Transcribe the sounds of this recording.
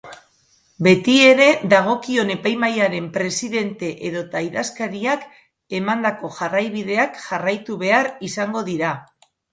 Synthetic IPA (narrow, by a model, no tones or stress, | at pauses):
be̞t̪ie̞ɾe̞ðaɣ̞o̞kio̞ne̞pajmajaɾe̞mpɾe̞siðe̞nt̪e̞ʔeðo̞t̪ajðaskaɾiak | e̞mand̪ako̞ʝarajβið̞e̞akʝarajt̪uβe̞aɾisaŋɡo̞ðiɾa